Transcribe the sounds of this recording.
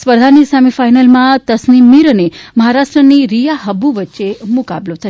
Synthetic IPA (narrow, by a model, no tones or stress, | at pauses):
spəɾd̪ʱanisamifajnəlmãt̪əsnimːiɾəneməɦaɾaʃʈɾəniɾijaɦəbːuʋətːʃemʊka̰blot̪ʰə